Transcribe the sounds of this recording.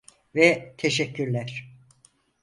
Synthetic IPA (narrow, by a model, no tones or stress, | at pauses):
vɛt̪ʰeʃɛcːyɾlʲæɾ̥